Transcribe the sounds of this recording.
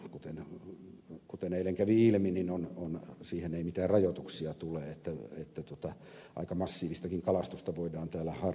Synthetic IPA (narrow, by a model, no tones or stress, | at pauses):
kut̪en | kut̪eneilːeŋkæʋiilmininononsiːheneimit̪æːrrɑjot̪uksiɑt̪uleːet̪ːæet̪ːæt̪ot̪ɑ | ʔɑ̰ikɑmɑsːiːʋist̪ɑkiŋkɑlɑst̪ust̪ɑʋoidɑːnt̪æːlːæhɑ